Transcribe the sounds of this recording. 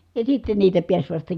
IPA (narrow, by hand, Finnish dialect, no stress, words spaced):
jɑ sitːen niːtæ piæs ʋɑstɑ